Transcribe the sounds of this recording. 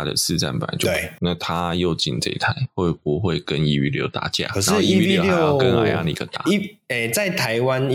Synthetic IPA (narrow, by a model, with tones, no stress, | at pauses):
d̪ə̰˨sɹ̩˥˧t͡sa̰˥˩npa̰˨˩ntna˥˨t̪ʰa˦jo˥˨ʊt͡ɕḭ˨nt͡sə̰˧ḭ˧t̪ʰa˧˩˦ɪxwe˥˩ɪpu˨˦xwe˥˩ɪkə˦ni˥y˥˧ljo̰˧˥ʊt̪a̰˨˩t͡ɕja̰˥˩˨ʂ̩˨˦˥ii˥i˥˧˨kə˦n˨˩ja̰˧˥˦ŋḭ˨˥ɡə˨˩t̪a̰˨˦˥e˨˩t͡sa˥˨ɪt̪ʰa˨˦ɪwa˦n